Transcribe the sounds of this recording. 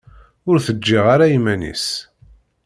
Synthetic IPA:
ʊɾθəd͡ʒːɪʁaɾaimænḭs

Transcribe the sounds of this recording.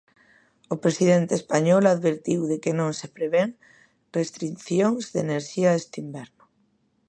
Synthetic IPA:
opɾesið̞ent̪eːspaɲɔlaðβeɾt̪iwðekenõŋsepɾeβeŋ | rest̪ɾinθjoŋzðeneɾʃiaest̪imbɛɾnʊ

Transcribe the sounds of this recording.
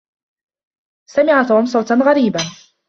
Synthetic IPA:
samɪʕat̪hʊmsˤɑwt̪anɣaɾiːba

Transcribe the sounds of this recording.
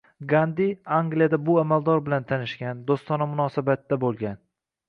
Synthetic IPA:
ɡand̪iaŋɡlijad̪abʊamald̪ɒɾbɪlant̪ʰanɪʃɡʲand̪ost̪ɒnamʊnɒsabat̪ːabolˠɡʲan

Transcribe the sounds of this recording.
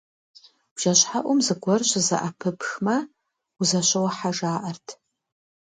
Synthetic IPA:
wʒ̥ɐɕħaʔʷʊmzɨɡʷɔrɕɨzɐ̰ʔapʰɨpʰxmɐ | uzɐɕʷɐwɐħaʐaːʔɐrtʰ

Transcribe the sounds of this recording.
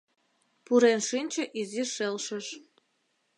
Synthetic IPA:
puɾenʃinʲt͡ɕə̆ʔiziʃelʃə̆ʃ

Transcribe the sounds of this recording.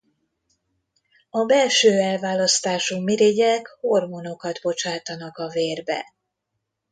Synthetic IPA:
ɒbɛlʃøːɛlvaːlɒst̪aːʃumiɾeɟɛkho̞rmono̞kɒd̪bo̞t͡ʃaːt̪ɒnɒkɒveːrbɛ̰

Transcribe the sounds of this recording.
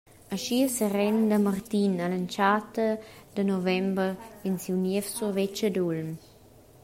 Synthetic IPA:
aʃiəsɛrɛnd̪əmart̪inalant͡ʃat̪əd̪̥ənɔvɛmbəinsiwnɛfsurvɛt͡ʃəd̪ulm

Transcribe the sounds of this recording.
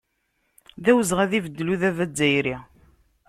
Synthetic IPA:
ðæwəzʁæðivəd̪ːluðævæd͡zːæjɾi

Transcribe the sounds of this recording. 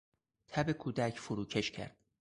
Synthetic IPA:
t̪ʰæbekʰuːd̪æcʰfuɾuːcʰeʃcʰæ̰ɾd̪̥̚

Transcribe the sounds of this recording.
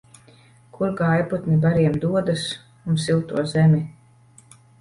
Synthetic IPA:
kuɾɡajput̪nibaɾiɛmd̪uɔd̪as | unsilˠt̪uɔzɛmʲi

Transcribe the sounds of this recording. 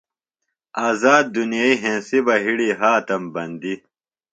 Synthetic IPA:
aːzaːd̪̚ːunjaːiɦẽːsibɐɦiɽiɦaːt̪ɐmbɐnd̪i

